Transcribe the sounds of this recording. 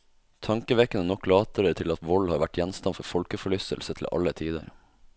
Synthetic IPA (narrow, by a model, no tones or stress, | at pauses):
t̪ʰɑŋkəʋɛkːənənɔkːlɑːt̪əɾət̪ʰɪlɑt̪ʋɔlhɑːɾʋæʈjɛnst̪ɑnfɔɾfɔlkəfɔɭʏst̪ə̰lsət̪ʰl̩ʔɑ̰lət̪ʰiːd̪ə̰ɾ